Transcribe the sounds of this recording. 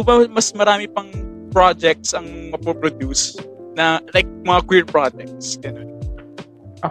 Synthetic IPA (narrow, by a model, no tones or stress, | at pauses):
bɐmɐsmɐɾaːmɪpɐŋ | pɹad͡ʒɛk̚t̪sɐŋmɐpɾopɾod̪jusnɐlajk̚mɐŋakwiɹpɹad͡ʒɛk̚t̪sɡ̥ɐnon